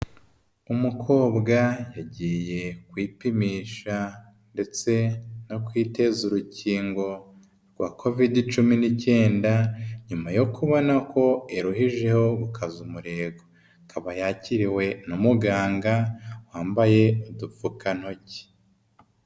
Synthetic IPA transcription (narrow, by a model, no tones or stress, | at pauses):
umukʰo̞ːβɡajaɟije̞kwiːpimiːʃa | nde̞t͡se̞no̞kwiːte̞zuɾuciːŋɡo̞ | ɾɡwaːkʰo̞vidit͡ʃuminice̞ːndaɲumajo̞kʰuβo̞nakʰo̞eɾuhiʒe̞ho̞βukʰazumuɾe̞ːɡo | kʰaβajaciɾiwe̞numuɡaːŋɡawaːmbaje̞udufukan̥ho̞ci̥